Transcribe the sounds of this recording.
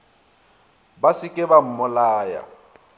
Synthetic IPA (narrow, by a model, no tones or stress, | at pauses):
basɪkʼɪbam̩mʊlaːja̰